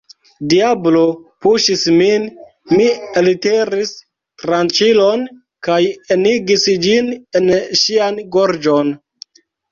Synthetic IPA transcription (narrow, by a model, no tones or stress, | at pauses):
diablo̞puʃismin | mieliteɾis | tɾant͡ʃilo̞n | kajeniɡisd͡ʒinenʃianɡoɾd͡ʒon